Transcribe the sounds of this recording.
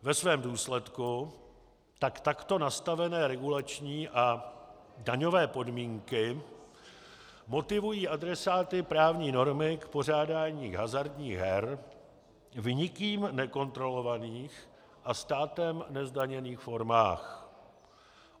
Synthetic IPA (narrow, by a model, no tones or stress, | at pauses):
vɛsvɛːmduːslɛt̪ku | t̪akt̪akt̪o̞nast̪avɛnɛːɾɛɡulat͡ʃɲiːʔa | daɲo̞vɛːpo̞dmiːŋkɪ | mo̞t̪ɪvujiːʔadɾɛsaːt̪ɪpɾaːvɲiːno̞ɾmɪkpo̞r̝aːdaːɲiːɦazaɾdɲiːɣɦɛɾ | vɲɪkiːmnɛko̞nt̪ɾo̞lo̞vaniːx | ʔast̪aːt̪ɛmnɛzdaɲɛniːxfo̞ɾma̰ːx